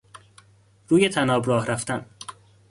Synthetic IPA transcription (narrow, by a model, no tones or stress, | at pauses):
ɾuːjet̪ʰænɒːbɾɒːhɾæft̪æn